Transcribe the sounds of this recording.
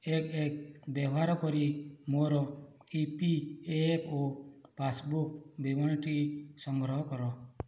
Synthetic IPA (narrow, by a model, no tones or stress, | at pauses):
ekek̚bjɔʋaɾɔkɔɾimoɾɔ | ipiepʰopʰasbuk̚bibɔñʈisɔŋɡɾɔɦɔkɔɾɔ